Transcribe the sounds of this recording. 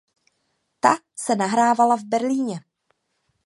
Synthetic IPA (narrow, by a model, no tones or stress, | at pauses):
t̪a | sɛnaɦɾaːvalavbɛɾliːɲɛ